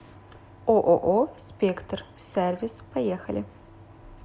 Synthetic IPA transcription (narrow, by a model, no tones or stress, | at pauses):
ʔoʔoʔospekt̪ʰrservispʰɐjexɐlɪ